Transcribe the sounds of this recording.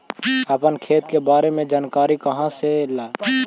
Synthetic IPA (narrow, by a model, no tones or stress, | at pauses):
əpənkʰeːt̪kebaːɾemẽd͡ʒaːnkaːɾikɐɦãselaː